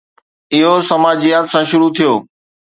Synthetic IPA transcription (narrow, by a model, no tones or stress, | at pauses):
ɪɦosɐmaːd͡ʑijaːt̪sãːʃʊɾut̪ʰijoː